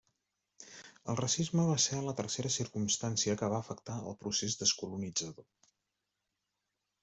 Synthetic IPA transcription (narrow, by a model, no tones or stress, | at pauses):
əlˠrəsizməβ̞asɛələt̪ərseɾəsiɾkumst̪ansiəkəβ̞aəfəkt̪aə̰lˠpɾusezd̪əskulunid͡zəðo